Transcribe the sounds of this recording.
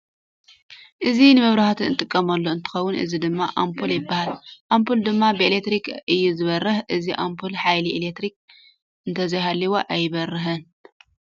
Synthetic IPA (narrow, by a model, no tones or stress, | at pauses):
ʔɨzinɨmɨβɾahat̪ʰiɨnt̪ʼɨkʼːɐmɐlːoɨnt̪ʰɨ̥xɐwːʊnʔɨ̰zid̪ɨmːaʔampʰuljɪbːahalʔampʰuld̪ɨmːabɨelek̚t̪ɾikʔɨjːuzɨβɐrːɨħʔɨziʔampʰulħajliʔelekt̪ɾik̚ | ʔɨnt̪ʰɐzɐjɦalːiwoʔajɪβɐrɨɦɨn